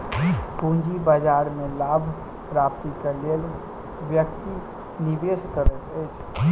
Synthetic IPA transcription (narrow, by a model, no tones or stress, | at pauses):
kũnd͡ʒibad͡ʒaɾmẽlabʱ | pɾap̚t̪ikelel | ʋjəkt̪i | niʋeskəɾət̪ɛt͡ʃʰ